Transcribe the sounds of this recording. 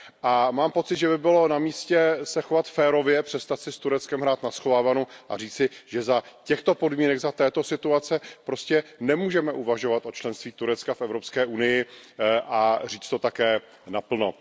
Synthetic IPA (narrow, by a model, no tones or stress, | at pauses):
ʔamaːmpo̞t͡sɪd̪ʒɛbɪbɪlo̞namiːscɛsɛxovat̪fɛːɾo̞vjɛpr̥ɛst̪at̪sɪst̪uɾɛt͡skɛmɦɾaːt̪nasxo̞vaːvanoʔa̰riːt͡sɪʒ̥ɛzacɛxt̪o̞po̞dmiːnɛɡzat̪ɛːt̪o̞sɪt̪uat͡sɛpɾo̞scɛnɛmuːʒɛmɛʔuvaʒo̞vat̪ʔo̞t͡ʃlɛnst̪viːt̪uɾɛt͡skafʔɛvɾo̞pskɛːʔunɪjɪʔariːt͡st̪o̞t̪akɛː | napl̩no̰